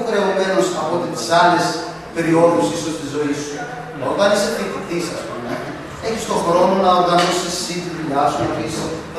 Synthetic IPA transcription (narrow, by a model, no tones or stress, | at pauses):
kɾeome̞nosɐpot̪et̪i̥sɐle̞s | pe̞ɾio̞ðusiso̞st̪izo̞isu | noɣɐniset̪itiθisɐsponɐ | eçist̪o̞xɾo̞no̞nɐoɾɣɐnosisːind̪ðuʎɐsuepis